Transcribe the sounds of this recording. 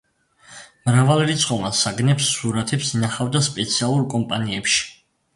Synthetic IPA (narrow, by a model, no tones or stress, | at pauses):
mɾavalˠɾit̪sʼqʼɔmasaɡnɛpsːuɾat̪ʰɛpsinaχavd̪aspʼɛt̪sʰialˠuɾkʼɔmpʼaniɛpʃi̥